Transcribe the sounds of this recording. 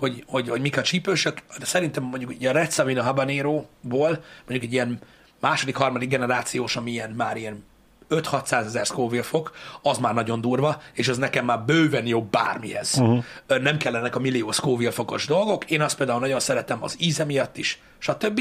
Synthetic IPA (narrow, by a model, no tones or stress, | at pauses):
ho̞ɟho̞ɟho̞ɟmikɒt͡ʃipøːʃøksɛɾint̪ɛmːoɲɟukiːɟɒɾɛt̪sɒvinɒɦabɒneːɾoːboːlmoɲɟukɛɟijɛn | maːʃo̞d̪ikhɒrmɒd̪iɡ̚ɡɛnɛɾaːt̪sijoːʃɒmiijɛnmaːɾijɛn | øt̪hɒt̪saːzɛzɛrskoːvilfo̞kɒzmaːrnɒɟo̞nd̪uːrvɒeːʃɛznɛkɛmːaːrbøːvɛnjoːbːa̰ːrmihɛz̥nɛmkɛlːɛnɛkɒmilːijoːskoːvilfo̞ko̞̰ʒd̪o̞lɡo̞keːnɒst̪peːld̪aːulnɒɟo̞nsɛɾɛt̪ɛmɒ̰ziːzɛmijɒt̪ːiʃ | ʃɒt̪øbːi